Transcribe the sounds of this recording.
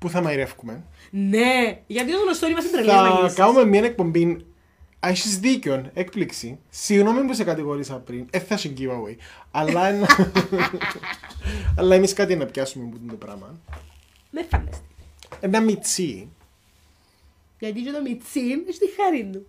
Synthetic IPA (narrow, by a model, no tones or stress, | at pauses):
puθɐmɐiɾefkumen | neʝɐt̪iozɣnost̪oɾimɐsib̪ɾɐɐkɐumemːiɐnek̚po̞mbin | ɐʃizðiceonekpliksisiɣnomempus̬ekɐt̪iɣoɾisɐpɾineθːɐsiɲɟivɐwejɐlːɐenːɐ | ɐlːɐemiskɐt̪ienːɐpçɐsumemput̪ind̪upɾɐ̰mɐn | mefːɐnd̪ɐst̪i̥enɐmit͡si | jɐt̪it͡ʃot̪omit͡siniʃt̪ixːɐɾinːu